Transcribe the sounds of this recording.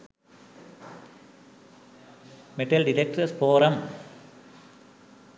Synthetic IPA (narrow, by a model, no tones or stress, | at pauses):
mɛʈːɐlɖɪʈek̚ʈɐspoːɾɐm